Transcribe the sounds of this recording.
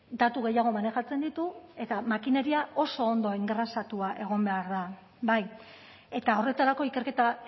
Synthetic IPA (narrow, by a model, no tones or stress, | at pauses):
d̪at̪uɣ̞e̞jaɣ̞o̞mane̞xat͡se̞nd̪it̪ue̞t̪amakine̞ɾiaʔo̞so̞ːnd̪o̞eŋɡɾasat̪uaʔe̞ɣ̞o̞mbe̞aɾða | baj | e̞t̪ao̞re̞t̪aɾako̞ike̞ɾke̞t̪a